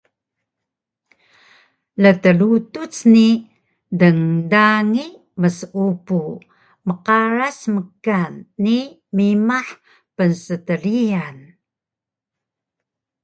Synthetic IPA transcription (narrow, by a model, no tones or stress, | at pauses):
lətəlutut͡sni | dəŋdaŋi | məsupu | məqaɾasməkanːi | mimaħ | pənsətəɾian